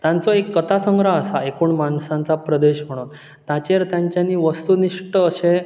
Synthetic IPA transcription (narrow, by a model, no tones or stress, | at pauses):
t̪jãnt͡sɔekːət̪ʰasəŋɡɾaəsaekuːɳmansãnt͡sapɾəd̪eɕm̤əɽ̃uːn | t̪at͡ɕeɾt̪jaɲt͡ɕjaniːʋəst̪uniʂʈəːɕẽ